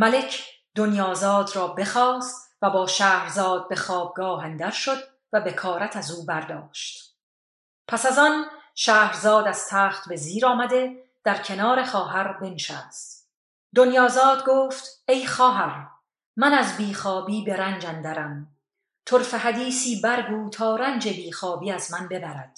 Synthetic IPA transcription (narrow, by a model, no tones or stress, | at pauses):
mæle̞cʰ | d̪̥onjɒːzɒːd̪rɒːbe̞χɒːst̪væbɒːʃæːhɾzɒːd̪̚be̞xɒːb̚ɡɒːɦænd̪æɾʃo̞d̪ | væbe̞kʰɒːɾæt̪ʰæzuːbæɾd̪ɒːʃt̪ | pʰæsæzɒnʃæːhɾzɒːd̪æz̥t̪ʰæːχt̪be̞ziːɾɒːmæd̪e̞ | d̪̥æɾcʰenɒːɾe̞χɒːɦæɾbe̞nʃæːst̪ | d̪onjɒːzɒːd̪ɡoːft̪e̞jχɒːɦæɾ | mænæzbiːχɒːbiːbe̞ɾænd͡ʒænd̪æɾæm | t̪ʰoɾfeɦæd̪iːsiːbæɾɡuːt̪ʰɒːɾænd͡ʒe̞biːxɒːbiːæzmænbe̞bæɾæd̪̥